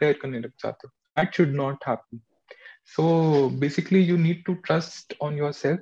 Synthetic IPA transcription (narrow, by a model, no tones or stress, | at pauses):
peːɾkəɾnẽɾək̚d͡ʒa̰ːt̪e | æʈʃʊɖnɔːʈhæːpə̃n | soːbeːsɪklijuːniːɖ̚ʈuʈɾɐsʈɔ̃ːnjɔːɾsɛlf